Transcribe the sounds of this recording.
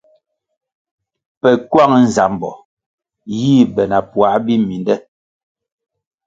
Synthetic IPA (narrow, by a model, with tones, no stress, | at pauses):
pɛ˨kwa˦˨ŋ˦n̩˨za˨m˨bɔ̰˨ | jiː˦˨bɛ˨na˨pwa˨˦bi˦mi˨ndɛ˦